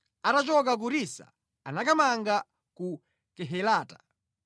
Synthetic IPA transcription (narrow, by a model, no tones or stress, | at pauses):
atat͡ʃɔk̬ak̬uɾisa̰ | anakamaŋɡa | ku | kɛɦɛlaːtḁ